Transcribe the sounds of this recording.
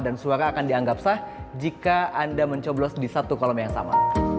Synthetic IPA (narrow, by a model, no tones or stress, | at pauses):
dansuaɾaːkandiaŋɡap̚sahd͡ʒikaʔandaməɲt͡ʃɔblɔsdisat̪ukɔlɔmjaŋsa̰ma̰